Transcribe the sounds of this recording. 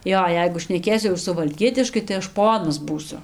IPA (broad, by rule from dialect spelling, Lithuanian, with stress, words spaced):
ˈjoː ˈjɛɪɡʊ ʃʲnʲɛˈkʲeːsʲʊ jɛʊ sʊʋɐlʲˈkʲiɛtʲɪʃkɐɪ tɐɪ ˈɐʃ ˈpoːnɐs ˈbuːsʲʊ